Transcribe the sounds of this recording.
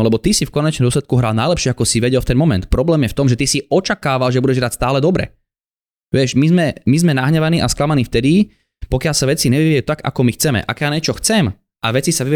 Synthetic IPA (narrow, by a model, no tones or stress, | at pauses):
lɛbɔt̪isifkɔɲɛt͡ʃnmd̪ɔslɛt̪̚kuɦɾaːlnajlɛpʃɪɛakɔsiʋɛɟɛlft̪ɛnmɔmɛ̰nt̪pɾɔblɛːmjɛft̪ɔmʒɛt̪isiɔt͡ʃakaːʋalʒɛbuɟɛʒɦɾatst̪aːlɛd̪ɔbɾɛ̰ | ʋɪɛʃmizmɛmizmɛnaɦɲɛʋaniːʔasklamaniːft̪ɛd̪i | pɔkɪalsaʋɛt͡siɲɛʋiʋiɛjut̪aɡa̰kɔmixt͡sɛmɛ̰ʔa̰kɛjaɲɛt͡ʃɔxt͡sɛm | ʔaʋɛt͡sisaʋiʋ